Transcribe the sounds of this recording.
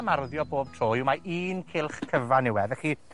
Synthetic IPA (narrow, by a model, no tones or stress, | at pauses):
marðjɔboːb̥̚tʰroːjuwmaʔiːnkʰɪlˠχkʰəvanɪwɛðɛχi